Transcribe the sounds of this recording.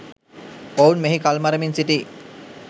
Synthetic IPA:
pownmeɦikalmaɾəminsiʈi

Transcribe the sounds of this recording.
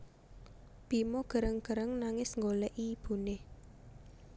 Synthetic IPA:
pimoɡ̥ə̤ɾəŋɡ̥ə̤ɾəŋnaŋɪsŋɡolɛʔib̥ṳne

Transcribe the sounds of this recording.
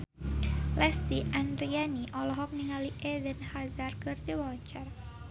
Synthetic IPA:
lɛst̪iʔandɾianiʔɔlɔɦɔk̚niŋaliʔedənhazarkɨrd̪iwaɲt͡ʃar

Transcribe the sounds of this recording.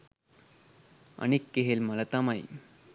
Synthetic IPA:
ə̰ñikːeɦelmələt̪amaḭ

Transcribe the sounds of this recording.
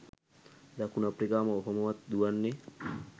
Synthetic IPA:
d̪akunapɾikaːməoɦomɐʋat̪d̪uʋanːe

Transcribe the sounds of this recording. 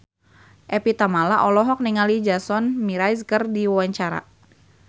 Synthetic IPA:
ʔɛpit̪amalaʔɔlɔɦɔk̚niŋalid͡ʒasɔnmiɾajskərdiwawaɲt͡ʃaɾa̰

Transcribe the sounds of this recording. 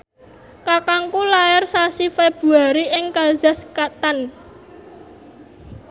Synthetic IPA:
kakaŋkulajɛrsasifeb̥ṳaɾiʔɪŋkaza̤skat̪an

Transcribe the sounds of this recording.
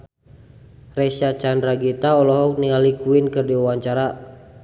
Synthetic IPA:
rɛsat͡ʃandɾaɡit̪aɔlɔɦɔk̚niŋalikuinkɨrdiuwaɲt͡ʃaɾa

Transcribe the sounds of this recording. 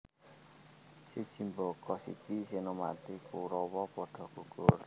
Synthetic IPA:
sid̥ʒ̥i̤mbɔkɔsḭ̥t͡ʃisenoma̰t̪ikuɾɔwɔpɔɖ̥ɔ̤ɡ̥ṳɡ̥ʊr

